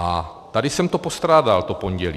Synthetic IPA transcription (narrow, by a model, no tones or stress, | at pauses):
a | t̪adɪsɛmt̪opo̞st̪ɾaːdalt̪opo̞ɲɟɛli